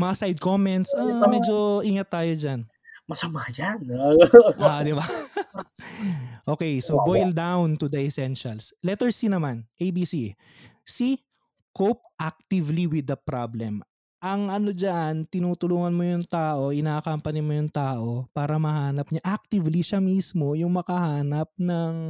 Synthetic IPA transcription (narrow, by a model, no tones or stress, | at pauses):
mɐasajd̪̚komɛnt̪samɛd͡ʒoʔiːŋɐt̪ːaːjod͡ʒan | mɐsɐmad͡ʒanʔad̪ɪba | ʔoːkɛjsobojld̪awnt̪ʊd̪ɐʔɛsɛnʃɐlslɛt̪ɛɹsinɐmanʔejbiːsi | si | kop̚ʔak̚t̪ɪvliwɪd̪ːɐpɾablɛm | ʔɐŋʔɐno̞d͡ʒaʔant̪ɪnuːt̪ʊluːŋɐnmojʊŋt̪aːʔo̞ʔɪnaːkɐmpɐnɪmojʊŋt̪aːʔo̞paːɾɐmɐhaːnɐp̚ɲaʔak̚t̪ɪvliʃamismo̞jʊŋmɐkɐhaːnɐp̚nɐŋ